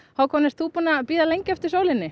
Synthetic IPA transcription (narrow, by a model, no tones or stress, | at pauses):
hawkʰɔːnɪst̪θuːpunapiːðalejɲcɛft̪ɪɾ̥sowlɪnːɪ